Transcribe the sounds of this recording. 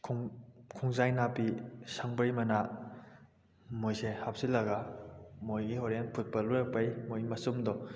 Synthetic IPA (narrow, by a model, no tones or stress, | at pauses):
kʰuŋzajnapisaŋbɐjmɐna | mojsehap̚silɐɡamojɡihoɾenpʰut̚pɐluɾak̚pajmojmɐsumdɔ